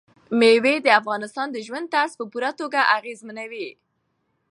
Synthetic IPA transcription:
mewed̪əafɣɑnɪst̪ɑnd̪əʒwand̪̚t̪aspəpuɾat̪oɡaʔaɣezmanawi

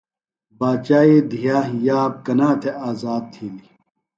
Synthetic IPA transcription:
baːt͡ɕaːid̪ʱijaːjaːb̚kɐnaːt̪ʰeʔaːzaːd̪̚t̪ʰiːni

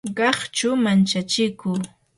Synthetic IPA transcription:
ɢɑχt͡ʃʊmant͡ʃat͡ʃɪkuː

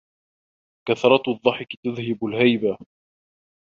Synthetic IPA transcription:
kaθɾˤɑt̪ðˤːɑħɪkt̪aðhɪbʊlhajba

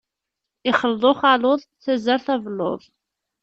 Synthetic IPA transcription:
ɪχəlðˤoχalʊðˤθæzəɾθævnːo̰ðˤ

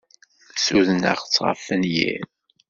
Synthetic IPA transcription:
suðənə̰ʁt͡sːʁə̰fənjḭɾ

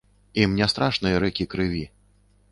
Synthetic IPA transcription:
imnʲɛst̪ɾaʂnɨjɐɾɛkʲikɾɨvʲi

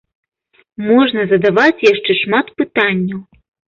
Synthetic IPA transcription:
mɔʐnɐzɐd̪avat͡sʲjaʂt͡ʂɛʂmat̪pɨt̪anʲːɐw

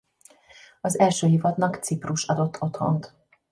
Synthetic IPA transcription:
ɒzɛlʃøːjivɒt̪nɒkt̪sipruʃɒd̪o̞t̪ʰːo̞t̪ho̞̰nt̪

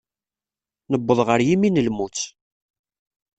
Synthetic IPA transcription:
nəbːəðˤʁəɾjiminəlmut͡sː

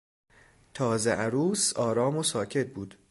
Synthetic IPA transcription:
t̪ʰɒːzeʔæɾuːsɒːɾɒːmosɒːcʰe̞t̪̚buːd̪̥

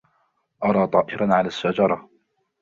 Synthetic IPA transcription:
ʔɑɾˤɑːt̪ˤɑːʔɪɾanʕalaːʃːad͡ʒɑɾˤɑ

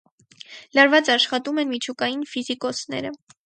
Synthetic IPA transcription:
lɑɾvɑt͡sɑʃχɑt̪umɛnmit͡ʃʰukɑjinfizikɔt͡sʰnɛ̰ɾə

